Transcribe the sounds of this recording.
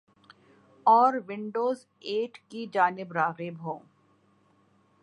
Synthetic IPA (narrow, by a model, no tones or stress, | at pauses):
ɔːɾʋɪ̃ɳɖoːz | eːʈʰkid͡ʒaːnɪbɾaːɣɪbɦõː